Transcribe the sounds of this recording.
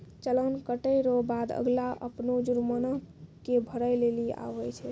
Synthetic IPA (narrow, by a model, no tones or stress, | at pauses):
t͡ʃələnkəʈəjɾobad̪ə̰ɡlaʔə̰pnod͡ʒuɾmənəɦkebʱəɾəjlelia̰ʋɛt͡ʃʰɛ